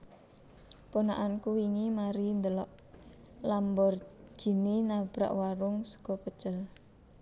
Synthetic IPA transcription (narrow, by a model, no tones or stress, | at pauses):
ponaʔankuwiŋimaɾind̪əlɔʔ | lambɔrɡ̥i̤ninab̥ɾa̰ʔwaɾʊŋsə̥ɡ̥ɔpə̥ʒ̥əl